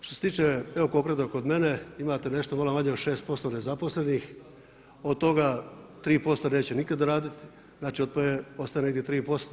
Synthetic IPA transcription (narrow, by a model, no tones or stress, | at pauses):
t̪oset̪iːt͡ʃeeo̞ko̞kɾet̪oko̞d̪me̞neimat̪e̞ne̞ʃt̪omalamaɲeoʃe̞ːst̪̚po̞st̪o̞ne̞zapo̞sle̞nix | od̪̚t̪o̞ɡa | t̪ɾiːpo̞st̪one̞ːt͡ɕenikad̪aɾaːd̪it̪i̥ | znaːt͡ʃiot̪̚pojeo̞sajeneɡd̪jet̪ɾiːpo̞st̪o